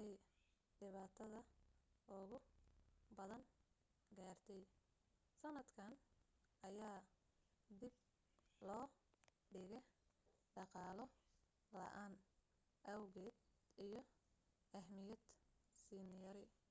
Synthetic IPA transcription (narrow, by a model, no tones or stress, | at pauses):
ɛj | ɖɪβaːt̪ʰɐðɐʊɣʊ | bɐðɐn | ɡaːrt̪ʰɛj | sɐnɐd̪kʰɐnʔɐjaː | d̪ɪb̚ | lɔː | ɖɪɣɛɖɑqɑːlɔ | lɐ̰ʔaːn | ʔɐwɣɛːd̪ijɞʔɐhmɪjɐd̪siːnɪjɐɾɪ